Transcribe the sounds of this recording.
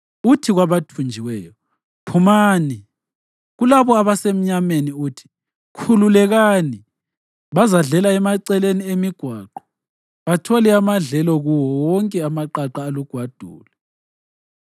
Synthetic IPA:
utʰiɣwaβatʰund͡ʒʱiwɛːjɔ | pʰumaːni | ɣulaβɔaβasem̩ɲameniuːtʰi̥ | kʰululɛɣani | βazaɮɛlaɛmaǀɛleniemiɡ̥ʱwaːǃɔ̥ | βatʰɔlɛamaɮɛlɔɣuwɔwɔŋkʼɛamaǃaǃaːluɡ̥ʱwad̥ʱṵːlɛ

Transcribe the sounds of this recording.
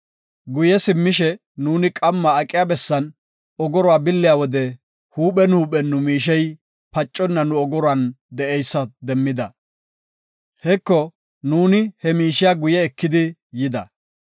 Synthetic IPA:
ɡʊjɛsɪmːɪʃɛ | nuːnɪkʼɐmːaːkʼɪjabɛsːɐn | ɔɡɔɾʊwaːbɪlːɪjawɔd̪ɛ | huːɓɛnhuːɓɛnːʊmiːʃ̬ɛj | pɐt͡ʃʼːɔnːɐnʊɔɡɔɾʊɐnd̪ɛʔɛjsːɐd̪ɛmːɪd̪ɐ | hɛkːɔ | nuːnɪhɛmiːʃɪjaɡʊjɛːkːɪd̪ɪjɪd̪ɐ

